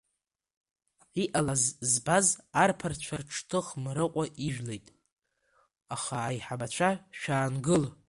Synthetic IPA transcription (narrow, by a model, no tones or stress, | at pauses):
iʔalazzbazarpʰart͡ɕʷʰarʈ͡ʂʰtʰɨχmɾɨqʷʼaiʒᶣlejtʼ | aχaːjħabat͡ɕʷʰaʃᶣaːnɡɨl